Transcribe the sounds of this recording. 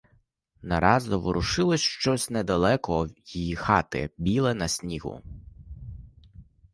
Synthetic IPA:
nɐɾɑzɔʋɔɾʊʃɪlˠɔsʲʃt͡ʃɔsʲnɛd̪ɐlˠɛkɔjijixɑt̪ɪ̰bʲilˠɛnɐsʲnʲiɦʊ̰

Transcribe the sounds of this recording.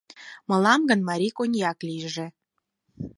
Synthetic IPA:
mɤ̆lɑmɡə̆nmɑɾʲikonʲjɑkliʒĕ

